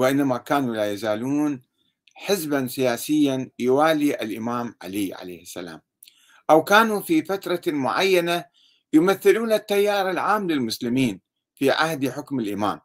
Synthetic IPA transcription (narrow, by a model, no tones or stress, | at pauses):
wɪʔɪnːamakaːnulaːjazaːluːn | ħɪzbansɪjaːsɪjːanjwaːliʔa̰lʔɪmaːmʕa̰liʕa̰lḛːhɪsːa̰la̰ːm | ʔawkaːnufifat̪ɾˤɑmʊʕajːana | jʊmaθːɪluːnat̪ːajːaːɾˤalʕaːmlɪlmʊslɪmiːn | fiʕa̰hd̪ħʊkmɪlʔɪma̰ːm